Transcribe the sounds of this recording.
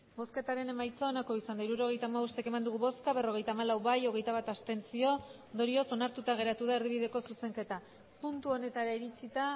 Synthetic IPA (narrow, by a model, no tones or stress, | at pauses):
bo̞ske̞t̪aɾe̞ne̞majt͡saonako̞isand̪aiɾuɾo̞ɣ̞e̞jt̪amaβost̪e̞kemand̪uɣ̞uβo̞skaβe̞ro̞ɣ̞e̞jt̪aːmalawβajo̞ɣ̞e̞jt̪aβat̪ast̪e̞nt͡sio̞ | nd̪o̞ɾio̞so̞naɾt̪ut̪aɣ̞e̞ɾat̪uð̞aeɾðiβ̞iðe̞ko̞suse̞ŋke̞t̪a | punt̪uo̞ne̞t̪aɾaiɾit͡sit̪a